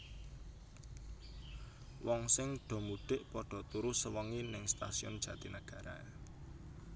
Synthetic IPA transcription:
wɔŋsɪŋɖ̪̥ɔ̤muɖ̥ɪʔpɔɖ̥ɔ̤t̪uɾʊsəwəŋinɪŋst̪a̰siɔ̰nd̥ʒ̥ä̤t̪inəɡ̥a̤ɾa̰

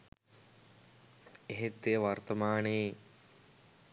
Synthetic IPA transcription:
eɦet̪ːejʋɐrt̪ɐmaːne

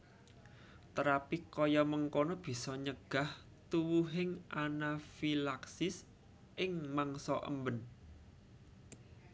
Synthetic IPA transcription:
t̪əɾapikojɔməŋkonɔb̥i̤sɔɲəɡ̥a̤h | t̪uwuɦɪŋʔanafilaksɪs | ʔɪŋmaŋsɔʔə̰mbən

